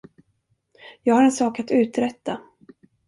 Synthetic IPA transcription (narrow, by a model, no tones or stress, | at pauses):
jɑːɡhaɾɛnsɑːkat̪ʉ̟ːt̪ɾɛt̪ːa